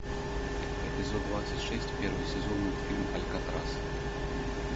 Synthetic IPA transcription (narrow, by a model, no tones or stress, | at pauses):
ɛpʲɪzod̪d̪vat̪sətʲʂɛsʲtʲpʲeɾvɨjsʲɛzonːɨfʲilʲmɐlʲkat̪ɾas